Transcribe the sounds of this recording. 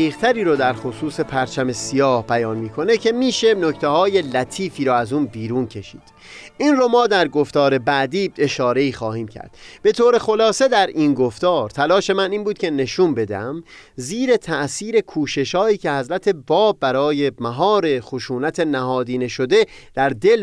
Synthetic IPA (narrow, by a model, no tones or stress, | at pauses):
iːɣt̪ʰæɾiːɾod̪æɾxosuːse̞pʰæɾt͡ʃʰæme̞sijɒːhbæjɒːnmiːkʰo̞ne̞cʰe̞miːʃe̞no̞ct̪ʰehɒːjelæt̪ʰiːfiːɾɔːæzuːnbiːɾuːncʰe̞ʃḭːd̪̥ | ʔiːnromɒːd̪æɾɡoft̪ɒːɾe̞bæʔd̪iːe̞ʃɒːɾe̞iːxɒːhiːmcʰæ̰ɾd̪̥b̥e̞t̪ʰoːɾe̞xo̞lɒːse̞d̪æɾinɡo̞ft̪ɒːɾt̪ʰælɒːʃe̞mæniːnbuːd̪̚cʰʲe̞ne̞ʃuːnbe̞d̪ḛæmziːɾe̞t̪ʰæʔsiːɾe̞kʰuːʃe̞ʃhɒːiːcʰe̞hæzɾæt̪ʰe̞bɒːbːæɾɒːje̞mæɦɒːɾe̞xoʃuːnæt̪ʰe̞næɦɒːd̪iːne̞ʃo̞d̪e | d̪̥æɾd̪e̞l